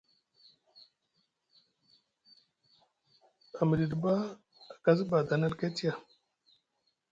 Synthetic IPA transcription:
a˨m˨ɾi˨dba˦ | a˨ka˦zba˨d̪a˨na˦lke˦ti˦ja˨

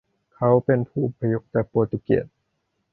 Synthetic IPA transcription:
kʰa˦˥wpe˨npʰuː˧˩ʔo˧pʰːa˧jo˧˦˥k̚t͡ɕaː˨˩k̚poː˧˩t̪i˧˩kḛ˨˩t̪̚

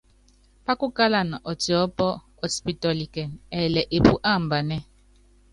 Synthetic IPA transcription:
pa˦ku˦ka˦la˦˨na˨ʔɔ˨ti˨ɔ˦pɔ˦ | ɔ˦spi˨tɔ˨li˨kɛ˨nɛː˨lɛ˨ʔe˨pu˦ʔa˦˨m̩˨ba˨nɛ˦

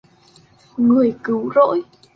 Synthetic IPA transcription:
ŋɨ˨˩əjkɨ˨˦wzo̰˧˥j

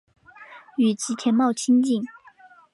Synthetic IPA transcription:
y˨˩t͡ɕʰi˧˥t͡ɕʰjɛ˧˥nmɑ˥˩ʊt͡ɕʰi˥nt͡ɕi˥˩n

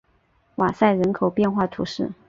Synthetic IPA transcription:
wa˨˩sa˥˩ɪɻə˧˥nkʰo˨˩ʊpjɛ˥˧nxwa˥˩t̪ʰṵ˧˥ʂɻ̩˥˩

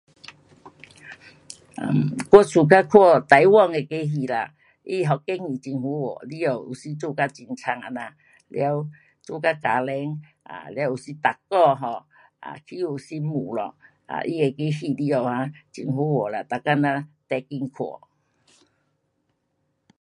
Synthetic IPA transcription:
a˨kwɔ˦t͡sʰu˨˧k̬a˦˥kʰwɔ˥˧˨t̪a˨˦jwɔ˥˧˨ŋe˧ke˦ɦi˧˨la̰˨ | i˦˨ɦɔ˨˩ke˦ŋi˨˩t͡ɕi˧nhu˨˦wɔ̰˨˩li˦o˨˩wṵ˨˩si˧˦t͡su˦˧ka˦˧t͡ɕi˧nt͡sʰa˧ŋa˧na˧ | lja˧˦w | t͡su˥˧˨ka˦˧ka˨˦lɛ˧˦ŋ | a̰˨lja˧˦u˨si˧˦t̪a˨˩kːɔ˥˧ɦɔ˧˩ | a̰˧˨kʰi˦u˨˩si˦mu˨˩lɔ̰˨ | a̰˨ʔi˦˧˨e˧ke˦hi˧li˦o˨ha˧˦t͡ɕi˧nɦu˧˦wɔ˨˩la˨t̪a˨˩kːa˦˧nã˧t̪ɛ˧ki˧ŋkʰwɔ̰˨˩

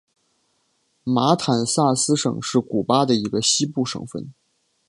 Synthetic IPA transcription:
ma˧˥t̪ʰa˨˩nsa˥˩sɹ̩˥ʂɤ̰˨˩ŋʂɻ̩˥˩ku˨˩pa˥d̪ə˨i˧˥ɡə˧ɕi˥pu˥˩ʂɤ̰˨˩ŋfə̰˥˩n

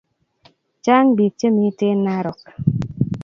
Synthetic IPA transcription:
t͡ʃaː˦ŋbi˨t͡ʃe˦mi˦te˦nːa˦ɾɔ˨k

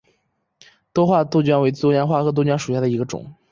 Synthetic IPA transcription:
t̪wɔ˥xwa˥˧t̪u˥˧ʊt͡ɕɥnwe˧˥ɪt͡s̪wɔ˥t͡ɕja˥xwa˥˩xɤ˧˥t̪̬ɔ˥t͡ɕja˥ʂu˨˩ɕja˥˩d̪ə˩i˧˥ɡə˧ʈ͡ʂʊ̰˨˩˦ŋ

